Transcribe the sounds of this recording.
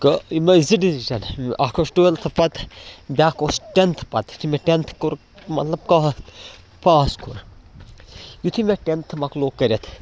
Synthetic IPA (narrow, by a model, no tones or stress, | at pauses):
kɐimɐiziɖizt͡ʃɐnʔakʰosʈoelt̪ʰɨpɐt̪bʲaːkosʈent̪ʰpɐt̪jut̪ʰimʲeʈent̪ʰkuɾ | mɐ̰t̪lɐb̚ka | paːskʰuɾ | jut̪ʰimʲeʈent̪ʰmɐkloːkːɐɾʲet̪ʰ